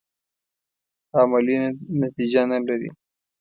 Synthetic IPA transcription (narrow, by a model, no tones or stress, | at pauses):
amalinat̪id͡ʒanalaɾḭ